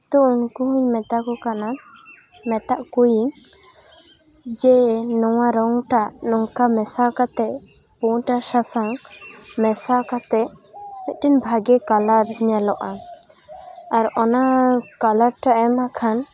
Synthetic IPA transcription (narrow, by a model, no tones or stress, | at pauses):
t̪ɔunkuɦuɲmɛt̪akɔkana | mɛt̪aʔkujiŋ | d͡ʒɛnɔwaɾɔŋʈaʔnɔŋkamɛsakat̪ɛ | puʈasasaŋmɛsakat̪ɛmɛt̪̚ˀʈinbʱaɡɛkalaɾɲalɔʔa | aɾɔnakalaɾʈaʔɛmakʰan